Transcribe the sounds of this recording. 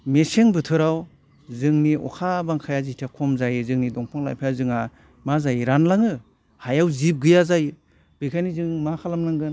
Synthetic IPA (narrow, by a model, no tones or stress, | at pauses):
meseŋbɯtʰɯɾaw | zɯŋniɔ̰kʰabaŋkʰajazitʰakʰɔmzajɯzɯŋnidɔŋpʰɔŋla̰jpʰajazɯŋa | mazajɯɾanlaŋɯ | hajawzip̚ɡɯjazajɯ | b̥ɯkʰajnizɯŋmakʰalamlaŋɡɯn